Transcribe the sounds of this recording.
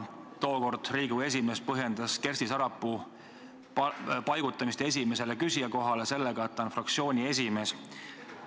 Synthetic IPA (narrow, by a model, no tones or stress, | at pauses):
t̪o̞ːko̞rd̪̥riːɡ̥ue̞s̬ʲime̞spɤɦje̞nd̪̥ɑske̞rst̪isɑɾɑpːˑu | pɑjɡ̥ut̪ːˑɑmist̪ees̬ʲime̞se̞le̞kysiɑko̞ɦɑlese̞lːeɡ̥ɑet̪ːˑɑnfrɑk̚t̪sio̞ːnʲie̞s̬ʲime̞ːs